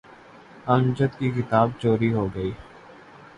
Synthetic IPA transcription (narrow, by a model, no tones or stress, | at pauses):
əmd͡ʒət̪kikɪt̪aːb̚t͡ʃoːɾiɦoːɡəiː